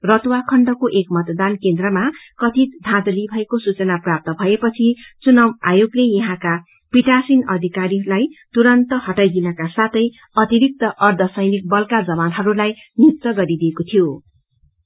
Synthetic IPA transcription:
rʌt̪uwakʰʌɳɖʌkoʔekmʌt̪d̪ankend̪rʌmakʌt̪it̪̚d̪ʱãd̪libʱʌekosut͡sʌnaprap̚t̪ʌbʱʌepʌt͡sʰit͡sunʌmajoɡlejʌɦãka | piʈasinʌd̪ʱikaɾilajt̪uɾʌnt̪ʌɦʌʈajɡinakasat̪ʰʌj | ʌt̪iɾik̚t̪ʌʔʌrd̪ʱʌsʌjnik̚bʌlkad͡zʌβanɦʌɾulaj | nitt̪ːʌɡʌɾid̪iekot̪ʰijo

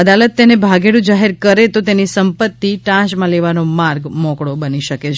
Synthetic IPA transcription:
əd̪alət̪ːenebʱaɡeɽũd͡ʒaɦeɾkəɾet̪ot̪enisəmpət̪ːiʈãʃmãleʋanomaɾɡmɔkɽobəniʃəket͡ʃʰ

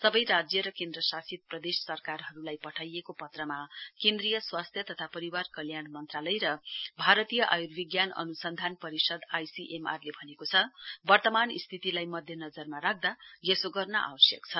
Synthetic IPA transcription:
sʌbʌjɾad͡zjʌɾʌkẽnd̪rʌsasit̪̚prʌd̪essʌrkarɦʌɾulajpʌʈʰajekopʌt̪rʌmakẽnd̪rijʌswast̪ʰjʌt̪ʌt̪ʰapʌɾiwarkʌljanmʌnt̪ralʌjɾʌbʱaɾʌt̪ijʌʔajurbiɡjanʌ̰nusʌnd̪ʱanpʌɾisʌd̪ajsiʔema̰rlebʱʌnekot͡sʰʌbʌrt̪ʌmanḭst̪ʰit̪ilajmʌd̪ʱjʌnʌd͡zʌrmaɾak̚d̪ajesoɡʌrnʌʔa̰wʌsjʌ̰kt͡sʰʌ

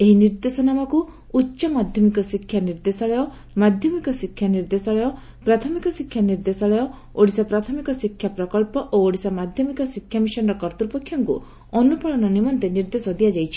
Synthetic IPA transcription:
eɦiniɾd̪esɔnamɔkuː | tːʃɔmad̪ʱjɔmikɔsikʰjaniɾd̪esɔɭɔjɔ | mad̪ʱjɔmikɔsikʰjaniɾd̪esɔɭɔjɔ | pɾat̪ʰɔmikɔsikʰːjaniɾd̪esɔɭɔjɔ | oɽisɔpɾat̪ʰɔmikɔsikʰjapɾɔkɔɭpɔʔooɽisɔmad̪ʱjɔmikɔsikʰːjamisɔnɔɾɔkɔɾt̪uɾupɔkʰːjɔŋkṵ | ɔnupɔɭɔnɔnimɔnt̪eniɾd̪esɔd̪iad͡ʒajt͡ʃʰi̥

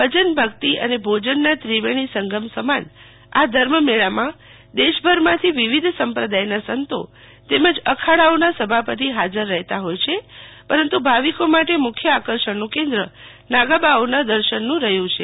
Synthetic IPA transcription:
ʋəd͡ʒənbʱəkt̪iə̰nebʱod͡ʒənːat̪ɾiʋeɽ̃isəŋɡəmsəman | a̰d̪ʱəɾməmeɭamã | d̪eʃbʱəɾmãt̪ʰiʋiʋid̪ʱsəmpɾəd̪ajnasənt̪o̰ | t̪eməd͡ʒəkʰaɭaonasəbʱapət̪̬iɦad͡ʒəɾːəɦt̪aɦojt͡ʃʰepəɾənt̪ubʱaʋikomaʈemʊkʰjəakəɾʃəɳnũkẽnd̪ɾə | naɡabaonad̪əɾʃənːũɾəɦjũt͡ʃʰe

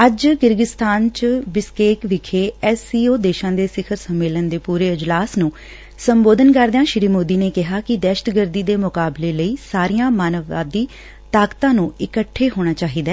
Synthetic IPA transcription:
əd͡ʒkɪɾɡɪst̪aːnt͡ʃbɪskeːkʋɪkʰeːɛsiːoːd̪eːʃãːd̪eːsɪkʰəɾsəmːeːlənd̪eːpuːɾeːɪd͡ʒlaːsnũː | səmboːd̪ənkəɾd̪ejãːʃɾiːmoːd̪iːneːkɪɦaːkɪd̪ɛːʃətɡəɾd̪iːd̪eːmʊkaːbleːləiːsaːɾijãːmaːnəʋːa̰ːd̪iː | t̪aːkt̪ãːnũːɪkəʈʰːeːɦoːɽ̃aːt͡ʃaːɦiːd̪aː

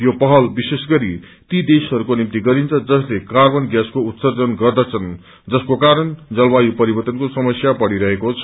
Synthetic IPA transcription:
jopʌɦʌlbisesɡʌɾi | t̪id̪esɦʌɾukonimt̪iɡʌɾint͡sʰʌd͡zʌslekarbʌnɡjaskout̪sʌrd͡zʌnɡʌrd̪ʌt͡sʰʌn | d͡zʌskokaɾʌnd͡zʌlbajupʌɾibʌrt̪ʌnkosʌmʌsjapʌɽiɾʌɦekot͡sʰʌ

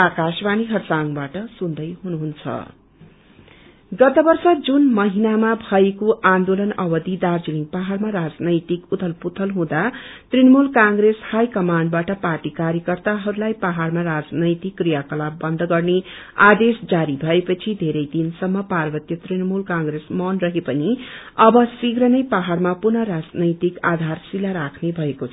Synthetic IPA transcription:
akasbaniɦʌrsaŋbaʈʌsund̪ʌjɦunuɦunt͡sʰʌ̰ | ɡʌt̪ʌbʌrsʌd͡zunmʌɦinamabʱʌekoʔand̪olʌnʌbʌd̪id̪ard͡ziliŋpaɦarmaɾad͡znʌjt̪ikut̪ʰʌlput̪ʰʌlɦũd̪at̪rinʌmulkãŋɡreshajkʌmaɳɖbaʈʌparʈikaɾjʌkʌrt̪aɦʌɾulajpaɦarmaɾad͡znʌjt̪ikːrijakʌlabʌnd̪ʱɡʌrne | ad̪esd͡zaɾibʱʌepʌt͡sʰid̪ʱeɾʌjd̪insʌmːʌparbʌt̪jʌt̪rinʌmulkãŋɡɾesmʌnrʌɦepʌniʌbʌsiɡɾʌnʌjpaɦarmapunʌɾad͡znʌjt̪ikad̪ʱarsilaɾakʰnebʱʌekot͡sʰʌ

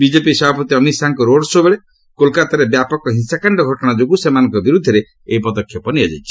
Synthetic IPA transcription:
bid͡ʒepisɔbʱapɔt̪iɔmisaŋkɔɾoɽsobeɭe | kolkat̪aɾebjapɔkɔɦinsakaɳɖɔɡʱɔʈɔɽ̃ad͡ʒokusemanɔ̃ŋkɔbiɾud̪ʱːɔɾe | eipɔd̪ɔkʰːjɔpɔniad͡ʒa̰jt͡ʃʰi̥

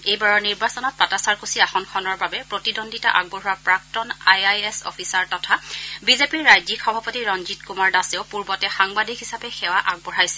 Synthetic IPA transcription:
ejbaɹɔɹniɹbasɔnɔt̚patasaɹkusiaxɔnkʰɔnɔɹbabɛpɹotidondʱita̰ʔaɡ̚bɔɹuapɹak̚tɔnajajesɔ̰pʰisaɹtɔtʰabizepiɹːajzikʰxɔbʱapɔtiɹɔnzitkumaɹdaseʊpuɹbɔtɛxaŋbadʱikɦisapɛxɛwaʔaɡ̚bɔɹajsɛ

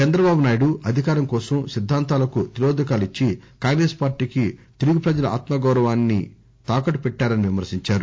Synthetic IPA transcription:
t͡ʃɛnd̪ɾɐbaːbunaːjiɽuʔɐd̪ʱikaːɾɐmkɔːsɐmsid̪ʱːaːnt̪aːlɐkut̪iɾoːd̪ukaːlit͡ʃːikaːŋɡɾe̞ːspaːɾʈiːkit̪eluɡipɾɐd͡ʒɐlɐa̰ːt̪mɐɡɐwɾɐʋaːnːḭ | t̪aːkɐʈupɛʈːaːɾɐniʋimɐɾsiɲt͡ʃaːɾu

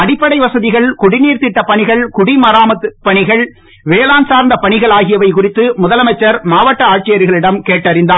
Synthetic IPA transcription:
ɐɽɪpːɐɽɐɪʋɐsɐðɪɣɐɭkʊɽɪniːɾt̪ɪʈːɐpɐɳɪɣɐɭkʊɽimɐɾaːmɐt̪ːɯpːɐɳɪɣɐɭ | ʋeːlaːnsaːɾnd̪ɐpɐɳɪɣɐɭaːɣɪjɐʋɐɪkʊrɪt̪ːɯmʊðɐlɐmɐt͡ʃːɐɾmaːʋɐʈːɐaːʈ̚t͡ʃɪjɐɾɣɐɭɪɽɐmkeːʈːɐɾɪnd̪aː

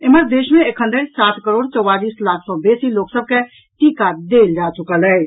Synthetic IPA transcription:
eməɾd̪eːʃmẽekʰə̃nd̪əɾsaːt̪ʰkəɾoːɽt͡ʃɔwaliːslaːkʰsɔ̃beːsiloːksəb̚ke | ʈikad̪eːld͡ʒaːt͡ʃʊkələ

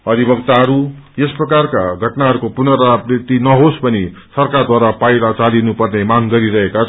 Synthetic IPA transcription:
ʌd̪ʱibʌɡt̪aɦʌɾujesprʌkarkaɡʱʌʈnaɦʌɾukopunʌɾaprit̪inʌɦospʌni | sʌrkard̪waɾapajlat͡salinupʌrnemaŋɡʌɾiɾʌɦeka

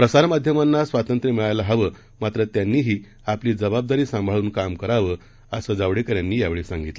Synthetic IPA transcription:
pɾəsaɾmad̪ʱjəmanːasʋat̪ənt̪ɾəmiɭajlaɦaʋəː | mat̪ɾət̪janːiːɦiː | apliːd͡zəbab̚d̪aɾiːsãmbʱaɭuːnkamkəɾaʋə | əsəd͡zaʋɽekəɾjanːiːjaʋeɭesãŋɡit̪l

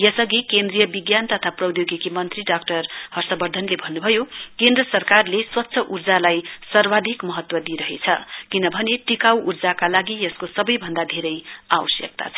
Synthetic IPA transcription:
jʌsʌɡikend̪rijʌbiɡjant̪ʌt̪ʰaprʌwd̪joɡikimʌnt̪riɖak̚ʈʌrhʌrsʌbʌrd̪ʱʌnlebʱʌnːubʱʌjokend̪rʌsʌrkarleswʌtːsʰʌʔurd͡zalajsʌrwad̪ʱikmʌɦʌt̪wʌd̪iɾʌɦet͡sʰʌ̰kinʌbʱʌneʈikawʔurd͡zakalaɡijʌskosʌbʌjbʱʌnd̪ad̪ʱeɾʌjawʌsjʌ̰k̚t̪a̰t͡sʰʌ

